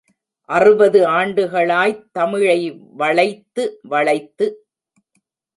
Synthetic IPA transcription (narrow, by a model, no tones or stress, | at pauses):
ʔɐrɯbɐðɯaːɳɖɯɣɐɭaːjt̪ɐmɪɻɐɪʋɐɭɐɪt̪ːɯʋɐɭɐɪt̪ːɯ